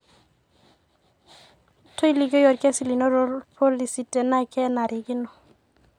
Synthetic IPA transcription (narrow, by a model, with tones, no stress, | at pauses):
to˦i˦li˨ɡo˦jɔ˨ɾkɛ˦si˨li˨nɔ˦ɾɔ˦pʰo˦li˨si˨tɛ˨na˦kɛ˦na˨ɾʔɪ˨ɡɪ˦nɔ˨